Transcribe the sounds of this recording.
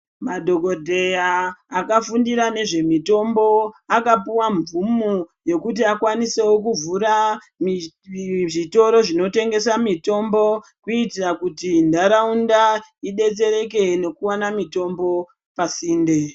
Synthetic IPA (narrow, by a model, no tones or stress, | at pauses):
madʱo̞ko̞dʱe̞jaːkafundiɾane̞ʐe̞mito̞mbo̞akapuwaɱvumuje̞kut̬iakwanise̞wokuvuɾa | mi | ʐito̞ɾo̞ʐino̞te̞ŋɡe̞samito̞mbo̞kuitirakutindaɾaundaiɗe̞t͡se̞ɾe̞ke̞ne̞kuwanamito̞mbo̞ | pasiːnde̞